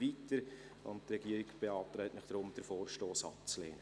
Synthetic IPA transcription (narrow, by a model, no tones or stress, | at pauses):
vitəɾ | ʊ̰nttɾɛɡiəɾɪɡb̥eɑːt̪ɾɛɪtnɪχd̥ɾʊmd̥̪əɾfɔːɾʃtoːsɑ̰p̚t͡slḛːnə